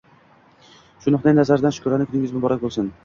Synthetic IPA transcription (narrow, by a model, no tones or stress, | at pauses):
ʃʊnʊχnɪŋnazaɾd̪anʃʊ̥kʰʊɾanɪkʰʊnɪŋʲɪzmʊbɒɾak̚ʲbolˠsʊn